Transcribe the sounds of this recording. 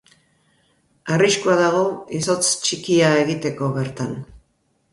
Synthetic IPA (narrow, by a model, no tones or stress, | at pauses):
ariskuaðaɣ̞o̞iso̞t͡st͡ʃikiae̞ɣit̪e̞ko̞βe̞ɾt̪an